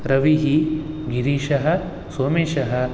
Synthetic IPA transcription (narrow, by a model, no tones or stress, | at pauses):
ɾɐʋiɦi | ɡiɾiːʃɐɦɐ̆ | soːmeːʃɐɦɐ̆